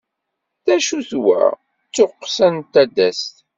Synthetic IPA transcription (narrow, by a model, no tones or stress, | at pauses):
θæʃuθwæ̰ | t͡sːʊqːsænt̪ːæd̪æst̪